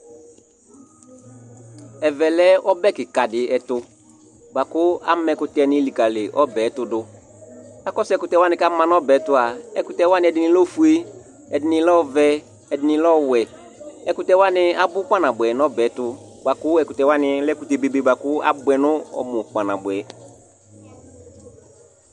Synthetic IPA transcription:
ɛ˨vɛ˨lɛ˦ɔ˦bɛ˦kɪ˨ka˨dɪ˨ɛ˨tʊ˦ | ba˨kʊ˦a̰˦mɛ̃˨kʊ˦tɛ˦˨nɪ̃˦li˨ka˨lɪ˨ʔɔ˦bɛ˨˦tʊ˨dʊ˦ | a˨kɔ˦sɛ˦kʊ˦tɛ˦wa˦nɪ̃˦ka˦mã˦n˦ɔ˦bɛ˨˦tʊ˨˦a˨ɛ˦kʊ˨tɛ˦wa˦nɪ̃˦ɛ˨dɪ˨nɪ̃˨˦lɔ˦fu˦e˦ | ɛ˨dɪ˨˦nɪ̃˧lɔ˦˨vɛ˦ | ɛ˨dɪ˨nɪ̃˦lɔ˦wɛ˨ | ɛ˨˦kʊ˦tɛ˦wa˦nɪ˦a˨bʊ˦k͡pa˦nã˨bʊ˨ɛ˨nɔ˦bɛ˨˦tʊ˨ba˨kʊ˦ɛ˦kʊ˨tɛ˨wa˦nɪ˧lɛ˦ku˨te˨be˨be˨ba˨kʊ˦a̰˦bʊ˨ɛ˨nʊ̃˦ɔ̰˨mʊ˨k͡pa˨nã˨bʊ˨ɛ˨

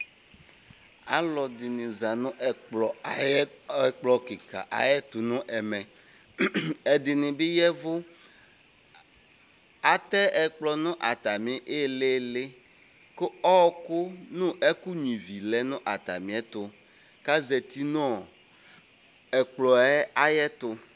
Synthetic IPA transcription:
a̰˦lɔ˨d̪ɪ˨nĩ˨za˨nũ˦ʔlɔ˨˦ | ɛ˦k͡plɔ˨ki˨ka̰˨ʔa̰˨jɛ˦t̪u˨nũ˦ʔɛ˨mɛ̃˨ | ɛ˨d̪ɪ˨nĩ˨be˦jɛ˦vo˦ | a˨t̪ɛ˦ɛ˨k͡plɔ˨nũ˦ʔa˨t̪a˨mĩ˨˦ʔe˦le˦le˦ | ko˦ɔ˦ko˦nũ˦ʔɛ˦ku˦ɲĩ˨vi˨lɛ˦nũ˦ʔa˨t̪a˨mĩ˨˦ɛ˦t̪o˨ | ka˦zɛ˨t̪i˦nɔ̃˦˨ | ɛ˨k͡plɔ˨ɛ˦a˨jɛ˦t̪o˨

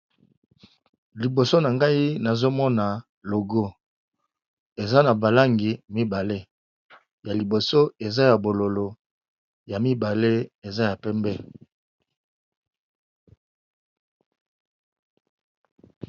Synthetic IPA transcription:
li˨bo˨so˦na˨ŋɡa˦i˦na˨zo˦mɔ˦na˨ | lo˨ɡo˦ | e˨za˦na˨ba˨la˦ŋɡi˨mi˦ba˨le˦ | ja˨li˨bo˨so˦e˨za˦ja˨bo˨lo˨lo˨ | ja˨mi˦ba˨le˦e˨za˦ja˨pɛ˦mbɛ˦

